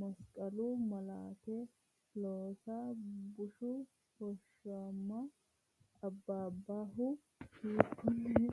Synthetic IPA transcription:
mɐskʼɐlumɐla̰ːt̪ɛ | loːsaːbʊʃʊ | hɔʃamːɐ | ɐbːaːbːaːɦʊ | hiːkːʊn

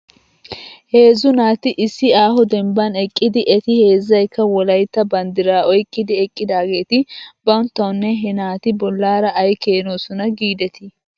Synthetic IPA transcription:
he̞ːzʊnaːt̪ɪʔɪsːɪaːhɔd̪ɛmbɐnɛkʼːɪd̪ɪʔɛt̪ɪhe̞ːzːɐjkːɐwɔlɐjt̪ːɐbɐnd̪ɪɾaːɔjkʼːɪd̪ɪɛkʼːɪd̪aːɡe̞ːt̪ɪbɐwnt̪ːɐwnːɛɦɛnaːt̪ɪbɔlːaːɾɐːjkeːnoːsʊnɐɡiːd̪ɛt̪ɪ

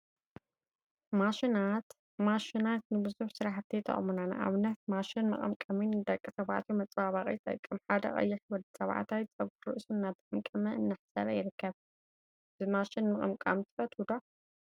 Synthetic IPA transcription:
maʃnat̪ | maʃinat̪nɨbɨzuħsɨɾaħt̪ʰːit̪ʰɐ̰χʼɐmunana̰ʔa̰βɨnːɐt̪maʃinmɐχʼɐ̰mkʼɐminːɨd̪ɐkʼːisɐβaʕt̪ʰjumɐt͡sʼbaβaχʼḭt̪ʼɐ̰kʼːɨmħad̪ɐ̰χʼɐ̰jːɪħwɔd̪ɐsɐβʕ̰t̪ʰawt͡sʼɐβkʰɾɨʔsunːaβzɨʔʼɨmkʼɐmɐɨnːaħsɐ̰βajɪɾɨkʰːɐβ | zɨmaʃɪnmɨχʼɐ̰mkʼa̰mt̪ʰɨfɐt̪ud̪o

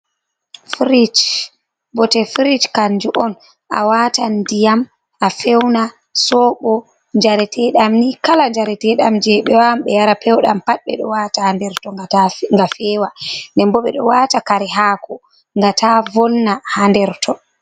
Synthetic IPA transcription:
fɾit͡ʃ | bɔtɛfɾit͡ʃkaɲd͡ʒuʔɔn | ʔa̰watandijam | ʔafɛwna | sɔɓɔ | ɲd͡ʒaɾɛtʰɛɗamnikalaɲd͡ʒaɾɛtɛɗamd͡ʒɛɓɛwamɓɛjaɾapʰɛwɗampat̚ɓɛ̰ɗɔ̰watadɛɾtɔŋɡafɛːwandɛmbɔɓɛ̰ɗɔ̰watakaɾɛɦaːkʰɔ | ŋɡatavɔlnahandɛɾtʰɔ

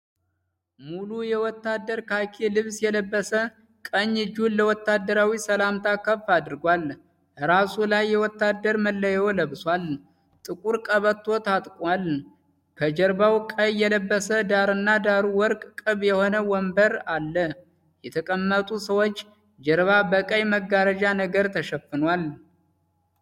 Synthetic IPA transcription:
mulujɛwɔt̪ːad̪ːəɾkʰakʰelɨβsjɛləbːəsə | kʼəɲːɨd͡ʒunːəwɔt̪ːad̪ːəɾawisəlamt̪ʰakːəfːad̪ɨɾɡʷal | ɨɾasulajːɛwɔt̪ːad̪ːəɾməlːəjɛwləβswal | t̪ʼɨkʼuɾkʼəβət̪ʰːo̞t̪ʰat̪ʼkʼwal | kʰəd͡ʒəɾbawkʼəjːɛləbːəsəd̪aɾɨnːad̪aɾuwɔɾkʼkʼɨβjɛho̞nəwɔmbəɾalːə | jɛt̪ʰəkʼəmːət̪ʼusəwo̞t͡ʃː | d͡ʒəɾβabəkʼəjməɡaɾəd͡ʒanəɡəɾt̪ʰəʃəfɨnwal

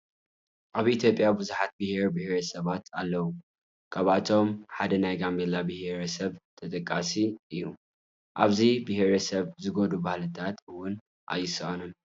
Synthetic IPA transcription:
ʔaβʔit̪ʰjo̞pʼjabɨzuħat̪̚bɨheɾbɨhɾɐsɐβat̪alːɐwu | kʰaβat̪ʰo̞mħad̪ɐnajɡambelabɨheɾɐsɐβt̪ʰɐt̪ʼɐkʼːasiɨjːu | ʔaβzibɨheɾɐsɐβzɨɡod̪ubahlɨt̪ʰat̪ɨwʊn | ʔa̰jːɨsɨʔɐnum

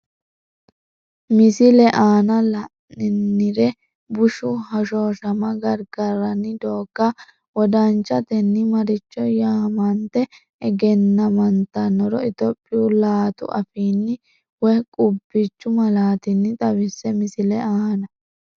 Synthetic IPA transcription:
mɪsɪlɛʔaːnɐlɐ | ɪnːɪɾɛ | bʊʃʊhɐʃoːʃɐmɐɡɐɾɡɐɾɐnːɪd̪oːɡːa | wɔd̪ɐnt͡ʃːɐt̪ɛnːɪmɐɾɪt͡ʃːɔjaːmɐnt̪ɛ | ɛɡɛnːɐmɐnt̪ːɐnːɔɾɔɪt̪ɔpʼːɪulaːt̪ʊ̰ʔɐ̰fiːnːɪ | wɔkʼʊbːɪt͡ʃːʊmɐlaːt̪ɪnːɪt̪ʼɐwɪsːɛmɪsɪlɛaːnɐ

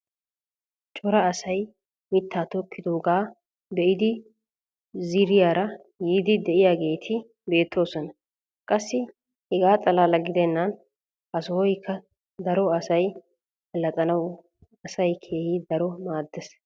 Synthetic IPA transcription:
t͡ʃʼɔɾɐːsɐj | mɪt̪ʰːaːt̪ɔkːɪd̪oːɡaː | bɛʔɪd̪ɪ | zɪɾɪjaːɾɐ | jiːd̪ɪd̪ɛʔɪjaːɡe̞ːt̪ʰɪ | be̞ːt̪ʰːo̞ːsɔnɐ | kʼɐsːɪ | hɛɡaːt̪ʼɐlaːlɐɡɪd̪ɛnːɐn | hɐsɔwɔjkʰːɐ | d̪ɐɾɔɐsɐj | ɐlɐt̪ʼɐnɐw | ɐsɐjkʰeːhɪd̪ɐɾɔmaːd̪ːɛs

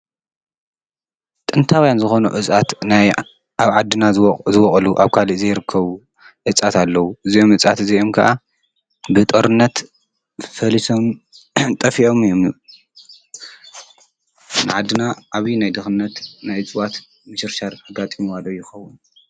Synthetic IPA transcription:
t̪ʼɨnt̪ʰawjanzɨxo̞nṵʔɨt͡sʼat̪naj | aβʕad̪ːɨnazɨwɔχʼluʔaβkʰalizejɪɾɨkʰːɐβu | ʕɨt͡sʼat̪ʰalːɐwuʔɨzio̞mʕɨt͡sʼat̪ɨzio̞mkʰɐʔa | bɨt̪ʼoɾɨnːɐt̪ | fɐlisom | t̪ʼɐfiʔo̞mɨjomju | nɨʕad̪ːɨnaʔaβjinajd̪ɨxɨnːɐt̪najɨt͡sʼwat̪ | mɨʃɨɾʃaɾaɡat̪ʼimiwalojɪxɐwːun

